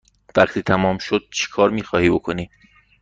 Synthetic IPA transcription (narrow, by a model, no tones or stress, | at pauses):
væχt̪ʰiːt̪ʰæmɒːmʃod̪̥̚t͡ʃʰe̥kʰɒːɾmiːxɒːhiːbo̞kʰo̞niː